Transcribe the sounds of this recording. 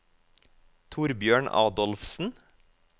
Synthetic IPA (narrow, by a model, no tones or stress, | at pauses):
t̪ʰuːɾbjøːɳɑ̰ːd̪ɔlfsn̩